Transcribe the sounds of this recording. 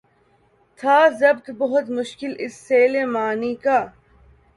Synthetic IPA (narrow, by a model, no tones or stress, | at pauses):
t̪ʰaːzɐbt̪bɐɦʊt̪mʊʃkɪlʔɪsːeːlemaːnikaː